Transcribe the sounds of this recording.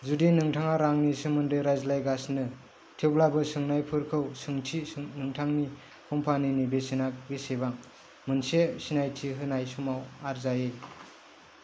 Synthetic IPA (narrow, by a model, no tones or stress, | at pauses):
zudinɯŋtʰaŋaɾaŋnisɯmɯndɯjɾajzlajɡasnɯ | tʰewblabɯsɯŋnajpʰɯɾkʰɯwsɯŋtʰinɯŋtʰaŋni | kʰɔmpʰaninibesinak̚bisebaŋ | mɯnsesinajtʰiɦɯnajsumawaɾzaje